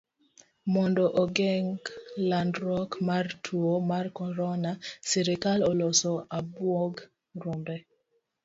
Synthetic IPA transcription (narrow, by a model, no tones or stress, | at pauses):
mɔndɔʔɔɡɛŋɡlandɾɔkmartʰuomarkɔɾɔnasiɾikalɔlɔsɔabwɔɡ | rombɛ